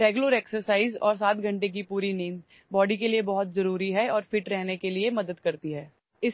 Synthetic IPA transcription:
ɾeːɡjʊləɾeːksəɾsaːɪzɔ̰ːɾs̬aːt̪ɡʱɐ̃ɳʈek̬ipuːɾineːn | bɔːɖikeliebɐɦʊt̪̚zɐɾuːɾiɦɛɔːɾfɪʈɾɛɦnekeliemɐd̪əd̪kɐɾt̪iɦɛː | ɪs

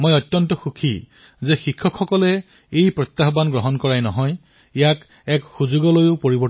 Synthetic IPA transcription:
mojɔtːjɔntɔxukʰi | zexikʰːɔkʰːɔkɔlɛ | ejpɹɔt̪ːaɦbanɡɹɔɦɔnkɔɹajnɔɦɔj | ijak | ɛkxuzuɡɔlojʊpoɹibɔ

